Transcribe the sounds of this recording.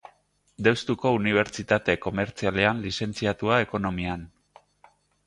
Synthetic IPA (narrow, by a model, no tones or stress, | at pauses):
d̪e̞wst̪uko̞uniβ̞e̞ɾt͡ʃit̪at̪e̞ko̞me̞ɾt͡siale̞anlise̞nt͡siat̪uae̞ko̞no̞mian